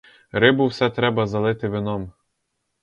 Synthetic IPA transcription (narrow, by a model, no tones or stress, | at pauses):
ɾɪbʊwsɛt̪ɾɛbɐzɐlˠɪt̪ɪʋɪnɔm